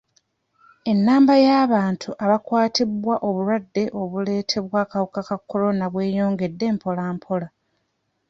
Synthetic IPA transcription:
e̞nːaːmbajaːβaːntʰuʔaβakwaːtʰibwaʔo̞βuɾwadːe̞ʔo̞βule̞ːtʰe̞βwaːkawokakakʰːo̞lo̞naβwe̞ːjo̞ːŋɡe̞dːe̞ːmpʰo̞laːmpʰola

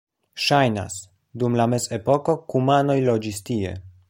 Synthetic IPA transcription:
ʃajna̰s | dumlame̞ze̞po̞ko̞kumano̞jlo̞d͡ʒistie̞̰

